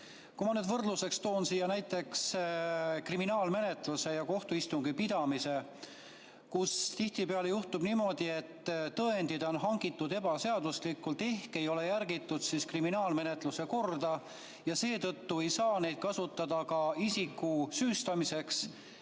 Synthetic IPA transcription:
kumɑned̪vɤrd̪luse̞kst̪o̞ːnsijːɑnæjt̪ːˑe̞ks | kriminɑːlme̞ne̞t̪luse̞jɑko̞ht̪uist̪uŋɡipid̪̥ɑmise̞ | kust̪iht̪ipeɑle̞juht̪ubnimo̞d̪̥ie̞t̪ːt̪ɤend̪̥id̪̥o̞nɦɑŋɡit̪ːˑud̪e̞bɑse̞ɑd̪̥uslikːˑult̪e̞hke̞jo̞le̞jærɡit̪ːˑud̪̥siskriminɑːlme̞ne̞t̪ˑluse̞ko̞rd̪ɑ | jɑse̞ːt̪ɤt̪ːue̞jsɑːne̞jd̪̥̚kɑsut̪ːˑɑd̪̥ɑkɑisikːˑusyːst̪ɑmise̞ks

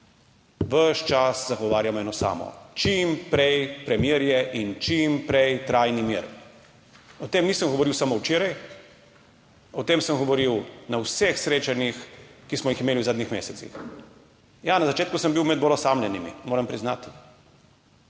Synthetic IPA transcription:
ʋəʃt͡ʃaszaɡɔʋaːɾjamɛːnɔsa̰ːmɔ̰t͡ʃimpɾɛjpɾɛmjeːɾjɛʔint͡ʃimpɾɛjt̪ɾajnimjḛɾ | ɔt̪eːmniːsəmɡɔʋɔɾiwsamowt͡ʃeːɾaj | ɔt̪eːmsəmɡɔʋɔɾiwnawsexsɾeːt͡ʃanjixkismɔjiximeːliwzaːd̪nixmeːsɛt̪sḭx | janazat͡ʃeːt̪kusəmbiwmɛd̪̚bolɔsamlʲɛnimḭmoːɾɐmpɾiznaːt̪i

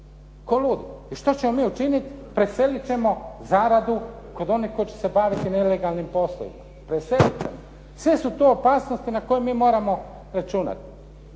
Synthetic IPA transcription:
ko̞luːd̪iiʃt̪ot͡ɕe̞mo̞miːut͡ʃinit̪pɾese̞lit͡ɕe̞mo̞zaːɾad̪u | ko̞d̪o̞nihko̞jit͡ɕe̥se̞baʋit̪ine̞le̞ɡalˠnimpo̞slˠo̰ḭma | pɾeselit͡ʃḛmo | sʋe̞sut̪oopaːsnost̪inako̞jemiːmo̞ːɾamo̞ | ɾat͡ʃuːna̰t̪i̥

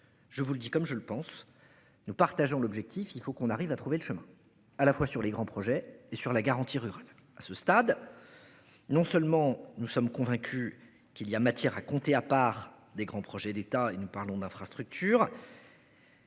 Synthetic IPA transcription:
ʒ̥əvuləd̪ikɔmʒələpɑ̃s | nupaʁt̪aʒɔ̃lɔbʒɛk̚t̪ʰifilfokɔ̃naʁivat̪χuveləʃəmɛ̃ | alafwasyʁleɡʁɑ̃pχɔʒɛesyʁlaɡaʁɑ̃t̪ʰiʁyʁal | asəst̪ad̪ | nɔ̃sœlmɑ̃nusɔmkɔ̃vɛ̃kʲʰy | kʲiliamat̪jɛʁakɔ̃t̪eapaːʁ | d̪eɡʁɑ̃pχɔʒɛd̪et̪aenupaʁlɔ̃d̪ɛ̃fχast̪χyk̚t̪ʰyːʁ

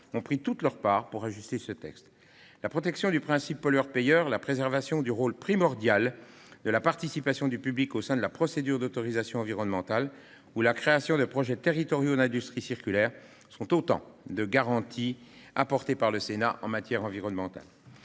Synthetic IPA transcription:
ɔ̃pχit̪ut̪lœʁpaːʁpuʁaʒyst̪esət̪ɛ̰kst̪ | lapχɔt̪ɛksjɔ̃d̪ypχɛ̃sipːɔlœʁpejœːʁlapχezɛʁvasjɔ̃d̪yʁolpχimɔʁd̪jal | d̪əlapaʁt̪isipasjɔ̃d̪ypyblikosɛ̃d̪əlapχɔsed̪yʁd̪ot̪ɔʁizasjɔ̃ɑ̃viʁɔnmɑ̃t̪al | ulakχeasjɔ̃d̪əpχɔʒɛt̪eʁit̪ɔʁjod̪ɛ̃d̪yst̪χisiʁkʲylɛːʁ | sɔ̃t̪ot̪ɑ̰̃d̪əɡaʁɑ̃t̪ʰiapɔʁt̪epaʁləsenaʔɑ̰̃mat̪jɛʁɑ̃viʁɔnmɑ̃t̪a̰l

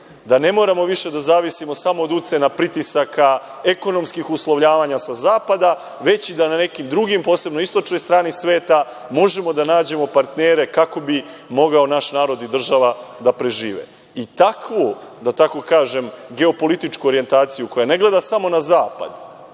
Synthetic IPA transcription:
d̪ane̞moɾamo̞ʋiʃe̞d̪azaːʋisimo̞samo̞ːd̪ut̪senapɾit̪isakʰa | eko̞no̞mskixuslˠoʋʎaːʋaɲasazaːpad̪a | ʋe̞t͡ɕid̪anane̞kimd̪ɾuɡimpo̞ːse̞bno̞ist̪o̞t͡ʃno̞jst̪ɾaːnisʋe̞ːt̪a | mo̞ʒe̞mo̞d̪anaːd͡ʑe̞mo̞paɾt̪neːɾe̞kako̞bi | mo̞ɡao̞naʃnaːɾo̞d̪id̪r̩ʒaʋad̪apɾe̞ʒiːʋḛ | it̪akʋod̪at̪ako̞kaːʒe̞mɡe̞o̞po̞lit̪it͡ʃkuoɾije̞nt̪aːt̪sijuko̞jane̞ɡle̞d̪asamo̞nazaːpa̰d̪

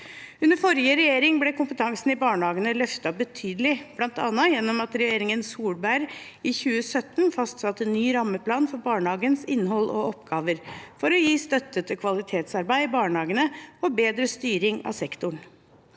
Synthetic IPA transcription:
ʉnəɾfɔɾjəɾɛjeːɾɪŋblɛkʰʊmpət̪ʰɑŋsn̩ɪbɑːɳəhɑːɡənəlœft̪ɑbət̪ʰyːd̪əlɪb̥lɑnt̪ɑ̰nːəjɛnːɔmɑt̪ɾɛjeːɾɪŋənsuːlbæɾ | içʉːəsœt̪ːnfɑst̪sɑt̪ːɛnːyːɾɑmːəpʰlɑːnfɔɾbɑːɳəhɑːɡənsɪnːhɔlʔɔ̰ʔɔpɡɑːʋəɾfɔɾɔjiːst̪œt̪ːət̪ʰɪkʰʋɑlɪt̪ʰeːt̪sɑɾbæɪɪbɑːɳəhɑːɡənəɔbeːd̪ɾəst̪yːɾɪŋɑ̰sɛkt̪ʊɳ

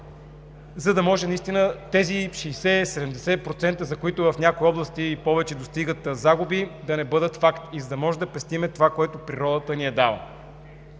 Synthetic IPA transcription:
zɐd̪ɐmɔʒɛnɐist̪inət̪ɛziʃɛjsɛsɛd̪ɛmd̪ɛsɛpɾot̪sɛnt̪əzɐkoit̪ʊvɐfnʲakoiɔblˠəst̪iːpɔvɛt͡ʃɛd̪ost̪iɡət̪zaɡubid̪ɐnɛbɤd̪ət̪fakt̪izɐd̪ɐmɔʒɛd̪ɐpɛst̪imɛt̪ovakoɛt̪opɾiɾɔd̪ət̪əniɛd̪avə̰

